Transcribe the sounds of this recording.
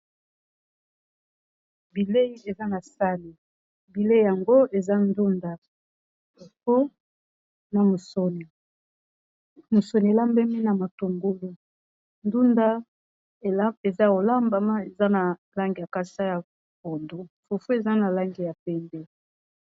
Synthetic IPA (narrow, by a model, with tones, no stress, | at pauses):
bi˨le˦i˦e˨za˦na˨sa˦ni˨ | bi˨le˦i˦˨ja˨ŋɡo˦e˨za˦ndu˦nda˨ | ffo˦ | na˨mo˨so˨ni˨ | mo˨so˨ni˨e˨la˦mbɛ˦mi˦na˨ma˨to˨ŋɡo˦li˦ | ndu˦nda˦˨ | a˦e˨za˦o˨la˦mba˨ma˦e˨za˦na˨la˦ŋɡi˨ja˨ka˦sa˦ja˨ | ko˨ndo˦fu˨fu˦e˨za˦na˨la˦ŋɡi˨ja˨pɛ˦nbɛ˦